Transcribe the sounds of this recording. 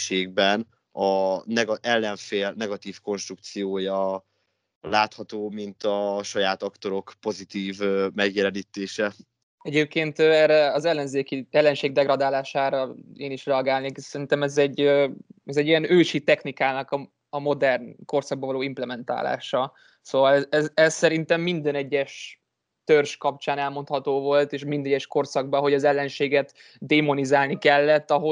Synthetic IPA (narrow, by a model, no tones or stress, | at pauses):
ʃeːɡ̚bɛn | ɒnɛɡɒʔɛlːɛɱfeːlnɛɡɒt̪iːfko̞nʃt̪ɾuk̚t̪sijoːjɒ | laːt̪hɒt̪oːmint̪ɒʃɒjaːt̪ɒkt̪o̞ɾo̞kpo̞zit̪iːvømɛɡjɛlɛniːt̪eːʃɛ | ɛɟeːp̚keːnt̪øɛrɛɒzɛlːɛnzeːkiɛlːɛnʃeːɡ̚d̪ɛɡrɒd̪aːlaːʃaːɾɒeːniʃrɛɒɡaːlneːksɛɾint̪ɛmɛzɛɟːøɛzɛɟːiɛnøːʃit̪ɛxnikaːnɒkɒ | ɒmo̞d̪ɛrnko̞rsɒɡ̚bɒvɒloːimplɛmɛnt̪a̰ːla̰ːʃɒ | soːvɒlɛzɛssɛɾint̪ɛmːind̪ɛnɛɟːɛʃ | t̪ørʃkɒp̚t͡ʃaːnɛlmo̞nt̪hɒt̪oːvo̞lt̪eːʃmind̪ɛɟːɛʃko̞rsɒɡ̚bɒɦo̞ɟɒzɛlːɛnʃeːɡɛt̪ | d̪eːmo̞nizaːlnikɛlːɛt̪ːɒɦo